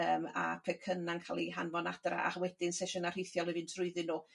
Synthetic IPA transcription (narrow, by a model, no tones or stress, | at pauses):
əːma̰pʰɛkʰənaŋkʰaːlˠiɦanmɔnad̥ra̰ʔa̰χwɛdɪnsɛʃɔnar̥ejθjɔlˠɔvɨntʰrʊɨðɨnːu